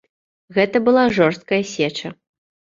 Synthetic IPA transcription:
ɣɛt̪ɐbɨlˠaʐɔrst̪̚kɐjɐsʲɛt͡ʂɐ

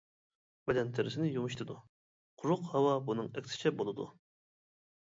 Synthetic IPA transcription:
bed̪ɛnt̪ʰeɾɪsɪnɪjumɨʃt̪ʰɨd̪u | qʰʊɾʊqhɑwɑbunɨŋɛkʲsɪ̥t͡ʃʰɛbolˠɨd̪ṵ

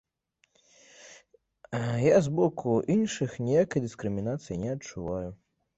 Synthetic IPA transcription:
jazbɔkʰuʔinʂɨxnʲijakɐjd̪ɨskɾɨmʲinat̪sɨjinʲɛɐtt͡ʂuvaju

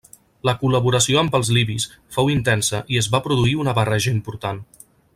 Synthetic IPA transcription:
ləkuləβuɾəsioəmbəlˠzliβisfowint̪ɛnsəʔiəzβapɾuðuiunəβərɛʒəimpuɾt̪an

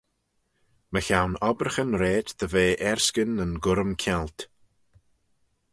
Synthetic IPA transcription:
məçawnɔbɾəxənɾeːd̪d̪əveːʔɛɹskənənɡʊɾəmkʰɛlt̪

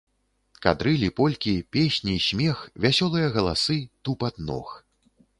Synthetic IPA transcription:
ka̰d̪ɾɨlʲipɔlʲkʲipʲesʲnʲiːsʲmʲɛxvʲasʲɔlˠɨjɐɣɐlˠa̰sɨt̪upat̪nɔ̰x

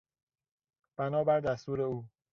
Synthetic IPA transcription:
b̥ænɒːbæɾd̪æst̪uːɾe̞uː

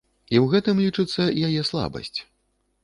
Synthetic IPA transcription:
iwɣɛt̪ɨmlʲit͡ʂɨt̪sːɐjajɛslˠa̰bɐ̰sʲt͡sʲ

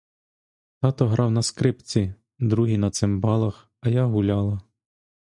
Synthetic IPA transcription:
t̪ɑt̪ɔɦɾʔɑwnɐskɾɪpt͡sʲi | d̪ɾuɦinɐt̪sɪmbɑlˠɐx | ɐjaɦʊlʲɑlˠɐ

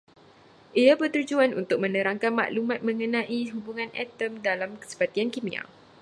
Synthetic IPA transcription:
ʔiabərt̪ud͡ʒuanṵnt̪ʊk̚mə̃nə̃ɾaŋkanma̰ʔlumãt̪̚mə̃ŋənãʔiɦubuŋãnɛ̰t̪əmdalamkə̥sə̥pat̪iankimia̰

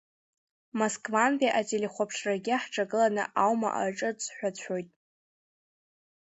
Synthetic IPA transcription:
moskʼvanpiʔatʼeleχʷapʰʂraɡʲiaħʈ͡ʂʰʼaɡɨlanɨ̰ʔawma̰ʔa̰ʈ͡ʂʼɨt͡sʰʼħʷᶣatʷʰo̞jtʼ

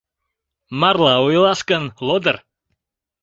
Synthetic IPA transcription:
marlˠaʊjlˠaskənlˠɔdər

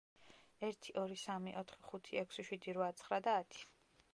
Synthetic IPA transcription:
ɛɾt̪ʰiʔɔɾisamiʔɔt̪ʰχiχut̪ʰiɛkʰsiʃwid̪iɾvat̪sʰχɾad̪aːt̪ʰi̥

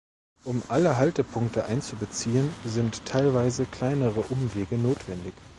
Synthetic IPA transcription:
ʔʊmʔaləɦaltəpʰʊŋk̚təʔaɪnt͡subət͡siːənzɪntʰːaɪlvaɪzəkl̥aɪnəʁəʔʊmveːɡənoːtv̥ɛndɪç

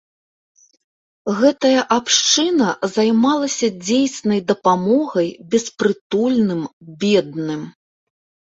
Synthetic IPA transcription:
ɣɛt̪ɐjɐʔapʂt͡ʂɨnɐzajmalˠɐsʲɐd͡zʲejsʲnɐjd̪ɐpamɔɣɐjbʲɛspɾɨt̪ulʲnɨmbʲɛd̪̚nɨm

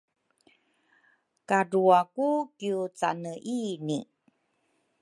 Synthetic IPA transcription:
kaɾuakukiut͡sa̰nəʔini

